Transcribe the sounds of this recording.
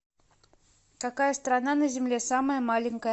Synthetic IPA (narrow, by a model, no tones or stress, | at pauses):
kakajəst̪ɾananəzʲɪmlʲesaməjəmalʲɪnʲkəjə